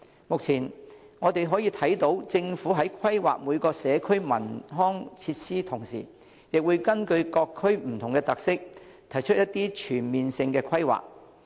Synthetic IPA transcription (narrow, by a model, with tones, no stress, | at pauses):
mʊ˨k̚t͡sʰiː˨˩nŋɔː˨˧t̪e˨jɦɔː˨˥jiː˧t̪ʰɐ˨˥jt̪o˨˥wt͡sɪ˧ŋfuː˨˥ɦɐ˨˥jkʰɐ˥jwa̰ː˨k̚muː˨˧jkɔː˧sɛː˨˧kʰɵ˥ɥmɐ˨˩nɦɔː˥ŋt͡sʰiː˧t̚siː˥t̪ʰʊ˨˩ŋsḭː˨˩ | jɪ˨k̚wuː˨˧jkɐ˥nkɵ˧ɥkɔː˧kʰːɵ˥ɥm̩˨˩t̪ʰʊ˨˩ŋkɛ˧t̪ɐ˨k̚sɪ˥k̚ | t̪ʰɐ˨˩jt͡ʃʰɵ˥t̚jɐ˥t̪ːiː˥t͡ʃʰyː˨˩nmiː˨nsɪ˧ŋkɛː˧kʰɐ˥jwa̰ː˨˩k̚